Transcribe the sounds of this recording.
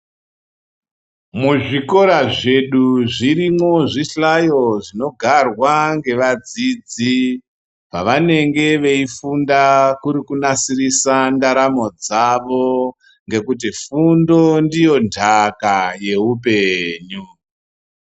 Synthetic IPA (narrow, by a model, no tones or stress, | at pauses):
muʐiko̞ɾaʐe̞ɗuʐirimoʐiɬajo̞ʐino̞ɡʱarwaŋɡe̞ʋad͡zid͡zi | paʋane̞ŋɡe̞ʋe̞ifundakuɾikunasirisandaɾamo̞d͡zaʋo̞ | ŋɡe̞kut̬ifundo̞ndijo̞ndʱakaje̞upe̞ɲu